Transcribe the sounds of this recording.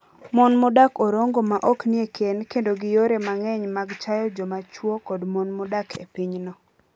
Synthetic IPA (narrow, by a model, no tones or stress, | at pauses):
mɔnmʊdakoɾoŋɡomaʔɔkniekʰenkendoɡɪjoɾemaŋɛɲmaɡt͡ʃajɔd͡ʒɔmat͡ʃwokɔdmɔnmʊdakʰḛpiɲnɔ